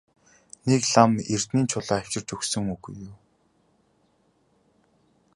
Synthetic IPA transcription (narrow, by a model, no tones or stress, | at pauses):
nekɮamer̥t̪niːnt͡ɕʰʊɮaːwt͡ɕɪ̆rt͡ɕɵksɵ̆ŋuɣujːʊː